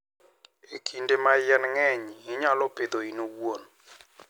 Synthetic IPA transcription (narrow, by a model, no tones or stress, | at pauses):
ekʰindemajɛnŋɛɲiːɲalɔped̪oinowon